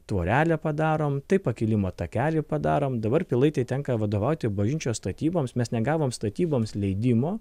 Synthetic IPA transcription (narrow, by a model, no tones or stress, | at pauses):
t̪ʋoːɾʲæːlʲɛpɐd̪ɑːɾoːmt̪ɐɪpːɐkʲɪlʲɪmoːt̪ɐkʲæːlʲɪpɐd̪ɑːɾoːmd̪ɐbɐrpʲɪlˠɐɪt̪ɐɪt̪ʲɛŋkɐʋɐd̪oːʋɐʊt̪ʲɪbɐʒʲɪnʲt͡ʃʲoːst̪ɐt̪ʲiːboːmsmʲɛsnʲɛɡɑːʋoːmst̪ɐt̪ʲiːboːmslʲɛɪd̪ʲɪmoː